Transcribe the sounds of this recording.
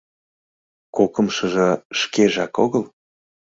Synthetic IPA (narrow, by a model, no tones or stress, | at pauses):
kokəmʃəʒɤ̆ʃkeʒɑkoɣəl